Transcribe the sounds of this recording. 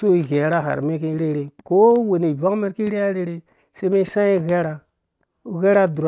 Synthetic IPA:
so˦i˨ɣe˨˦ɾa˦ɦa̰˨ɾme˦k̬i˦ɾe˦ɾe˨ko˦we˨ni˨va˦ŋ˦me˦ɾki˦ɾe˦a˦ɾe˦ɾe˦ | se˦me˦sã˦i˦ɣe˦ɾa˨ | ɣe˦ɾa˦du˨ɾ

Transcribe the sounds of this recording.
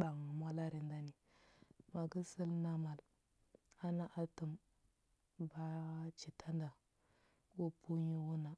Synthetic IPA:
ba˨ŋ˨mʷa˦la˦ɾi˨nda˦ni˨ | ma˨ɡə˦si˦lna˦ma˨l | a˦na˦ʔa˦tu˨m | ba˦t͡ʃi˨tʰa˦nda˨ | wu˦pu˦ɲi˦wu˦na˨

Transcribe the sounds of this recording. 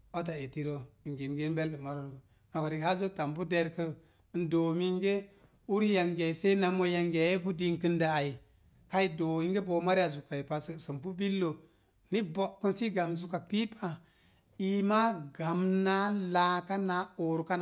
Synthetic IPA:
o˦t̬a˨e˨ti˦ɾo˦˨ŋɡe˨nɡe˦n˦be˦lːə˨ma˦ɾo˦˨ | no˨ka˨ɾi˨ha˦zo˦ta˨mbu˦de˦ɾkə˦˨ | ndo˨mi˦ŋɡe˦ | u˦ɾi˦ja˨ŋɡe˨i˨se˦na˨mo˦ja˨ŋɡe˨je˦bu˦di˦ŋkɨ˦nda˨a˨i˨ | ka˦i˦do˨i˦ŋɡe˦bo˨ma˦ɾa˨zu˨ka˨i˨pa˨sə˦˨sə˨mpu˦bi˦lːo˨ | ni˦bo˨kːu˦nsi˦ɡa˨mzu˨ka˨k̚pi˦pʰa˨ | i˨ma˦ɡa˨mna˦la˦ka˦na˦o˨ɾu˨˦ka˦n˨

